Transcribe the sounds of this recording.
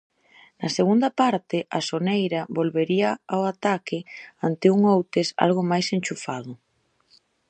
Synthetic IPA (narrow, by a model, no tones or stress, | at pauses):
nɐseɣund̪ɐpaɾt̪ɪʔasonejɾɐβolβeɾiɐawat̪akɪant̪ɪuŋowt̪esa̰lɣʊmajsenʲt͡ʃufaðʊ